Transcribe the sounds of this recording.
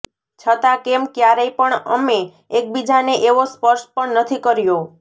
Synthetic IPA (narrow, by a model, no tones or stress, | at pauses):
t͡ʃʰət̪akemkjaɾəjpəɳəmeː | k̚bid͡ʒaneʔeʋospəɾʃpəɳnət̪ʰikəɾjo